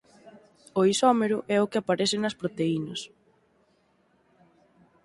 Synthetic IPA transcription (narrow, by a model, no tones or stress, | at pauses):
ʊisɔmeɾʊʔɛʊkɪapaɾɛθɪnɐspɾot̪einɐs